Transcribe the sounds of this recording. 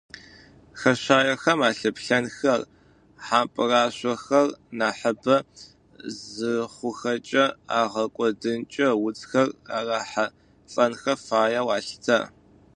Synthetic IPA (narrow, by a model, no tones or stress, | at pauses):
xɐɕaːjɐxɐmaːɬɨpɬɐnxɐr | ħaːpʼɨraːɕʷɔxɐrnaːħɐbɐ | zɨχʷʊxɐt͡ʃʼɐaːʁɐkʷʼɔdɨnt͡ʃʼɐwʊt͡sʼxɐraːraːħa | t͡sʼɐnxɐfaːjɐwaːɬtʰɐ̰